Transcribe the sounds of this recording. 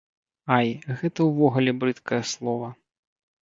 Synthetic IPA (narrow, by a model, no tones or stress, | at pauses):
ajɣɛt̪ɐwvɔɣulʲɛbɾɨt̪kʰɐjɐslˠɔvɐ